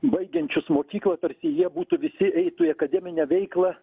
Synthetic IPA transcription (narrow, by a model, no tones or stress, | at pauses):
bɐɪɡʲɛnʲt͡ʃʲʊsmoːkʲiːklˠɐt̪ɐɾʲsʲɪjiɛbuːt̪ʊʋʲɪsʲɪʔɛɪt̪uːjɐkɐd̪ʲɛːmʲɪnʲɛʋʲɛɪklˠɐ